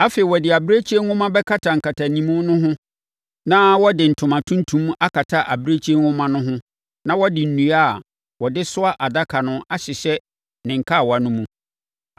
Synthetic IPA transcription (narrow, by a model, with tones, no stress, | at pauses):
a˦fe˨i˨wɔ˨dɪ˨a˨bɾe˦t͡ɕʰi˦e˦ŋhʊ̃˦mã˦bɛ˦kʰa˦tʰa˨ŋ̩˨kʰa˨tʰa˨nĩ˨mũ˦nʊ̃˦ɦʊ̃˦ | nã˦wɔ˦dɪ˨n̩˨tʰʊ˨mã˨tʰũ˦n˦tʰũ˦m˦a˦kʰa˨tʰa˦ʔa̰˨bɾe˦t͡ɕʰi˦e˦hʊ̃˦mã˦nʊ̃˦ɦʊ̃˦ | nã˦wɔ˦dɪ˨n̩˨nũ˨a˦˨ | wɔ˨dɪ˦sʊ˦a˦ʔa˨da˦kʰa˨nʊ̃˦a˦ɕɪ˨ɕɛ˦ | nɪ̃˨ŋ̩˨kʰa˦˨wɔ˨a˨nʊ̃˦mũ˦